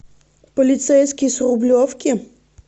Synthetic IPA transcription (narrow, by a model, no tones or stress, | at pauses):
pɔlʲɪt̪sɛjskʲijsrʊblʲɔfkʲi